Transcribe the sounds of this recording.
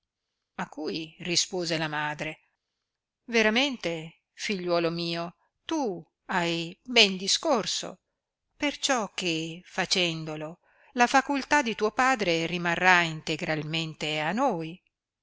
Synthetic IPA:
akːujrispoːzelamaːd̪ɾe | veɾament̪e | fiʎːwɔːlomiːo | t̪u | ajbɛnd̪iskorso̰ | pert͡ʃɔkːefat͡ʃɛnd̪olo | lafakult̪ad̪it̪uopaːd̪ɾerimarːaint̪eɡɾalment̪eanːoj

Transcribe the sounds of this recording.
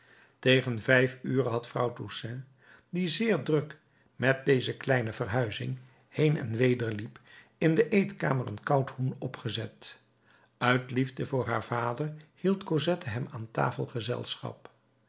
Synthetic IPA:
tejχənvɛjfyːrəɦɑtfrɑ̰wtusɛ̃ | dizɪːɹdrɵk | mɛt̚dejzəklɛjnəvərɦœɥzɪ̰ŋ | hejnɛ̰nʋejdəɹlip | ɪndəʔejtka̰ːmərə̰nkɑwthunɔpχəzɛt | œɥtlivdəvʊːɹɦaːɹv̥aːdərhilˠtkozɛtəɦɛmaːnta̰ːfəlˠχəzɛ̰lˠsχɑ̰p̚

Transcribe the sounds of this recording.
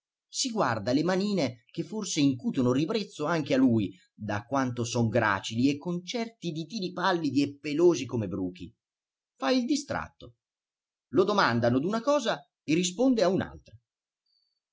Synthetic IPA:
siɡward̪alemaniːnek̟efːorseiŋkuːt̪onoribɾet̪sːoaŋk̟ealuj | d̪akːwant̪osɔŋɡɾa̰ːt͡ʃiliekːont͡ʃɛrt̪id̪it̪iːlipalːid̪iepːeloːzikomebɾuːk̟i | faild̪ist̪ɾa̰t̪ːo | lod̪omand̪anod̪unakɔːza | erːis̬pond̪eauna̰lt̪ɾa

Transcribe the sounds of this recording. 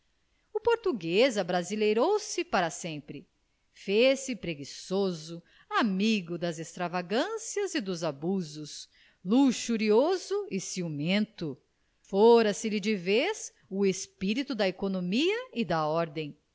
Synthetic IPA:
ʊpoɾt̪uɡezɐbɾazilejɾowsɪpaɾɐsẽmpɾɪ | fesɪpɾeɡisozʊ | amiɡʊd̪ɐzest̪ɾavaɡɐ̃siɐzɪd̪ʊzabuzʊs | luʃuɾiozʊɪsiumẽnt̪ʊ | foɾɐsɪlɪd͡ʒɪves | ʊespiɾit̪ʊd̪ɐekonomiɐɪd̪ɐɔɾd̪ẽj̃

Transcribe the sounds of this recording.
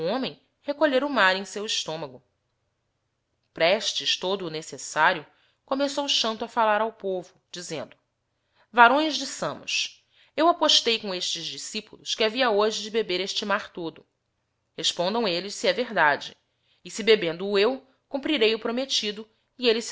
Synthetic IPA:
õmẽj̃ | hekoʎeɾʊmaɾẽj̃sewiʃt̪õmɐɡʊ | pɾɛʃt͡ʃɪʃt̪od̪ʊːnesesaɾjʊ | komesowuʃɐ̃nt̪ʊɐfalaɾawpovʊd͡ʒizẽnd̪ʊ | vaɾõj̃zd͡ʒisɐ̃mʊ̰s | ewapoʃt̪ejkõeʃt͡ʃɪzd͡ʒisipulˠʊʃkɪaviɐoʒɪd͡ʒɪbebeɾeʃt͡ʃɪmaɾt̪od̪ʊ | heʃpõnd̪ɐ̃w̃elɪʃsiɛveɦd̪ad͡ʒɪː | sibebẽnd̪ʊːew | kũmpɾiɾejʊpɾomet͡ʃid̪ʊ | ielɪs

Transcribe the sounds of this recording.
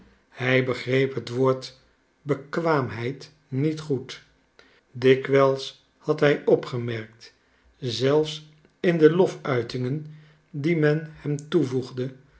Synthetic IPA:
hɛjbəχrejpɦətʋoːɹt | bəkʋaːmɦɛjt | nitχut | dɪkʋɛlˠs | hɑtɦɛjɔpχəmɛɹk̚t | zɛlˠfs | ɪndəlɔfœɥtɪŋən | dimɛnhɛmtuvuχdə

